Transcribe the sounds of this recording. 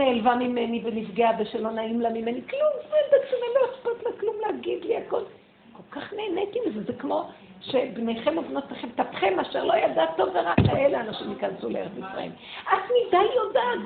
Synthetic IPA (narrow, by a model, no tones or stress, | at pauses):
eːlvamimenibenifɡeabeʃelo̞naimlamimeniklumzed̪akʃemeloespat̪laklumleaɡid̪liako̞l | ko̞lkaχne̞ːnet̪imzezekmo̞ | ʃebnejχe̞movnot̪laχemt̪apχemaːʃeʁlo̞jadat̪ːo̞veʁakaeleanaʃimikansuleeʁetifʁa̰ḭmʔat̪mid̪ajjodat